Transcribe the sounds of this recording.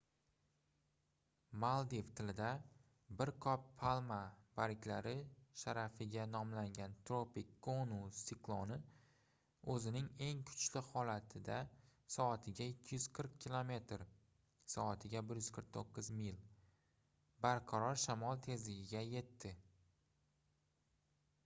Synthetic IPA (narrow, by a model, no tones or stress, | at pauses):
malˠd̪ift̪ʰɪlɪd̪a | bɪɾkʰɒpʰːalˠmab̥aɾɪkʲlaɾɪʃaɾafɪɡʲanɒmlaŋɡʲant̪ʰɾopɪkʲːonusiklˠɒnɪ | ɵzɪnɪŋe̞ŋkʰʊ̥t͡ʃlɪhɒlat̪ʰɪd̪asɒat̪ʰɪɡʲaekʲʰːɪjʏz̥qʰɨɾq̚kʲːilˠome̞t̪ɾ | sɒat̪ʰɪɡʲabɪɾjʏz̥kʰɨɾq̚t̪ʰoqːɨzmijl | baɾqʰɑɾɒɾʃamɒlˠt̪ʰe̞zlɪɡʲɪɡʲaje̞t̪ʰːɪ